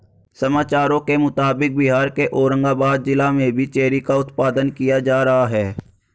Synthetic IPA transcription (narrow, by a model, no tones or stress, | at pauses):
səmaːt͡ʃaːɾõkemʊt̪aːbɪk̚bɪɦaːɾkeʔoːɾə̃ŋɡaːbaːd̪̚d͡ʒɪlamẽbʱit͡ʃeːɾikaʊt̪paːd̪ənkɪjad͡ʒaːɾəɦaɦɛː